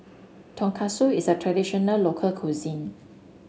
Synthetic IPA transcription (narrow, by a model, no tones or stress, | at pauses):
tʰɔ̃ŋkʰasoisətʰɹɛdiʃɔnəllokʰəlkʰuzĩn